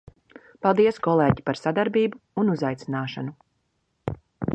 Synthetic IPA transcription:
palˠd̪iɛskɔlˠeːɟipaɾsad̪aɾbiːbuːnuzajt̪sinaːʃanu

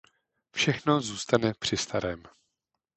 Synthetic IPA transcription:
fʃɛxno̞zuːst̪anɛpr̝̥ɪst̪aɾɛːm

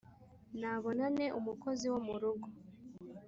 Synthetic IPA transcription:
naβo̞nane̞ʔumuko̞ziwomuɾuɡo

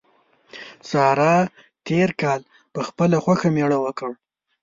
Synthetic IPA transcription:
sɑɾɑ | t̪ʰeɾkɑl | pəxpəlaxwaxameɽawəkəɽ

